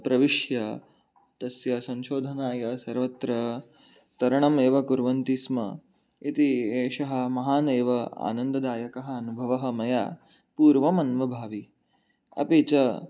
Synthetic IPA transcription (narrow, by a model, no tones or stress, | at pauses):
pɾɐʋiʂjɐ | t̪ɐsjɐsɐnʃoːd̪ʱɐnaːjɐsɐɾʋɐt̪ɾɐ | t̪ɐɾɐɳɐmeːʋɐkuɾʋɐnt̪ismɐ̰ | it̪ieːʃɐɦɐ̆mɐɦaːneːʋɐa̰ːnɐnd̪ɐd̪aːjɐkɐɦɐɐnubʱɐʋɐɦɐ̆mɐja̰ː | puːɾʋɐmɐnʋɐbʱaːʋi | ɐ̰pit͡ʃɐ